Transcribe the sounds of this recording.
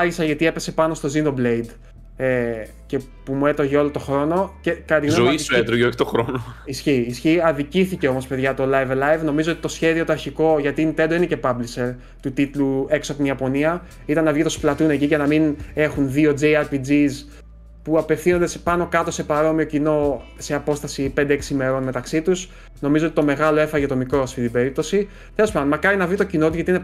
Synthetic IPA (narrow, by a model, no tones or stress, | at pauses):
ɐʝisɐʝɐt̪ie̞pe̞se̞pɐno̞st̪o̞zind̪o̞blejd̪ | e | ce̞ | pumue̞t̪o̞ʝeo̞lo̞t̪o̞xɾo̞no̞cekɐɾɐt̪iɣnozoiset̪ɾuʝeoçi̥t̪oxɾonoisçiːsçiɐðiciθice̞o̞mo̞spe̞ðʝɐt̪o̞lɐjvlɐjvno̞mizoot̪it̪o̞sçe̞ðio̞t̪oɐɾçiko̞ʝɐt̪int̪ed̪oinece̞pɐblise̞ɾ | t̪ut̪it̪lue̞ksoɐp̚t̪iniɐpo̞niɐ | it̪ɐnːɐvʝit̪osplɐt̪une̞ciʝɐnɐmine̞xunðio̞d͡zeɐɾpid͡zis | puɐpe̞fθino̞nd̪espɐno̞kɐt̪o̞se̞pɐɾo̞mio̞cino̞se̞ɐpo̞st̪ɐsip̪d̪eksime̞ɾo̞nme̞t̪ɐksit̪us | no̞mizoo̞t̪it̪ome̞ɣɐlo̞e̞fɐʝɐt̪o̞mikɾo̞ɐft̪int̪ibe̞ɾip̚t̪o̞si | t̪e̞lopɐnd̪omɐkɐɾinɐvit̪o̞cino̞t̪uzʝɐt̪iine